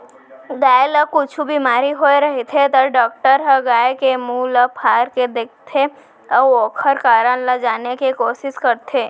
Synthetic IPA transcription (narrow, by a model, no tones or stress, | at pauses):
ɡaːjləkʊt͡ʃʰubimaːɾiɦoːeɾɐɦet̪ʰet̪əɾɖɔːk̚ʈəɾɦəɡaːekemũləpʰaːɾked̪eːk̚ʰt̪ʰe | əoːkʰəɾkaːɾənləd͡ʒaːnekikoːʃɪskəɾt̪ʰeː